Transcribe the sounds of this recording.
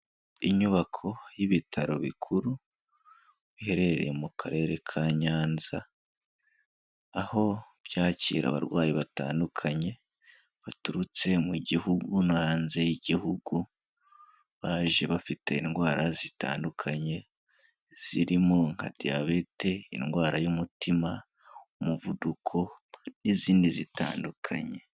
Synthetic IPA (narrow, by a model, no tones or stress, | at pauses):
iɲuβakʰo̞jiβitʰaɾo̞βḭkʰuɾu | βihe̞ɾe̞eɾe̞̰jemukʰaɾe̞ːɾe̞kʰaɲaːnza | ho̞ | b̥jaːcḭːɾa̰βa̰ɾɡwaːjiβata̰ːndukʰaɲe̞ | βatuɾut͡se̞muɟihuɡunaaːnze̞jiɟihuɡu | βaːʒe̞βafitʰe̞inɡwaːɾʔazita̰ːndukʰaɲe̞ | z̥iɾimoŋha̰dia̰βete̞ḭnɡwaːɾajumutʰima | umuvudukʰo̞niziːndizita̰ːndukʰa̰ɲe̞